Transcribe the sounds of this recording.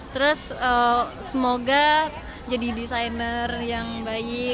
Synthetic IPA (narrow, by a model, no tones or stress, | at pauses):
t̪əɾʊsəsəmoɡa | d͡ʒadidisajnərjaŋbaɪ